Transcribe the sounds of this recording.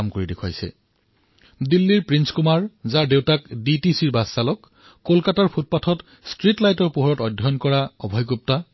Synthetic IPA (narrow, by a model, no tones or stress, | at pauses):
mkoɹidekʰwajsɛ̰ | dilːiɹpɹinskumaɹzaɹdewtakditisiɹbasːalɔkː | olkataɹpʰut̚patʰɔt | stɹitlajtɔɹpuɦɔɹɔtɔdʱɔnkɔɹaɔbʱɔjkup̚ta